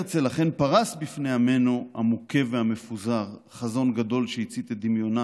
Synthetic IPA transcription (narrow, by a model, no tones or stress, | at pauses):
t͡selaχe̞npaʁasbifneame̞nohamoke̞veame̞fuzaʁ | χazo̞nɡad̪o̞lʃeit͡sit̪ed̪imjo̞na